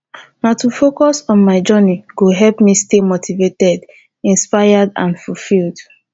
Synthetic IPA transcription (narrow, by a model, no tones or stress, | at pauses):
natufokɔsɔ̃nmaɪd͡ʒɜniɡoɦɛlpmistemotʰivetɛd | ĩnspaɪjədã̰nfulfild